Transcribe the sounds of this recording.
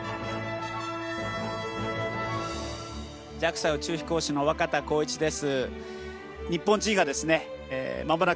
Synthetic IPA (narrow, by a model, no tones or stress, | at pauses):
d͡ʑakɯ̟̥saɯ̟t͡ɕɨːçi̥ko̞ːɕino̞βakat̪ako̞ːit͡ɕid̪e̞sɨ | ɲ̟ipːõ̞ɲ̟d͡ʑĩŋ̃ɡad̪e̞sɨne̞̰mambona